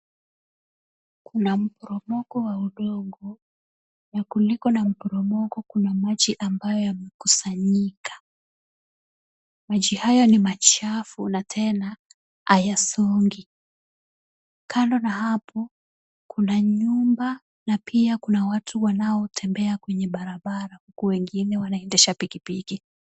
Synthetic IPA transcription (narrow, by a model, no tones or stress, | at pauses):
kunam̩pɔɾɔmɔɡɔwauɗɔɠɔ | jakulikɔnam̩pɔɾɔmɔkɔkunamaʄiʔambajɔjamɛkusaɲikḁ | maʄihajɔnimat͡ʃafunatʰɛna | ajasɔŋɡi | kʰandɔnaɦapʰɔ | kʰunaɲumba | napʰiakunawatʰuwanaɔtʰɛmbɛakwɛɲɛɓaɾaɓaɾahukuwɛŋɡinɛwanaɛndɛʃapikipiki